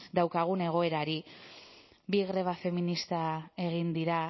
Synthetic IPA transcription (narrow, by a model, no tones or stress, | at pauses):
d̪awkaɣ̞une̞ɣ̞o̞e̞ɾaɾi | biɣɾe̞β̞afe̞minist̪ae̞ɣ̞ind̪iɾa